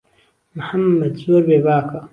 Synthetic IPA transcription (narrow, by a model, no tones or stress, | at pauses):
mħamːɐd̪zoːɾbeːbaːka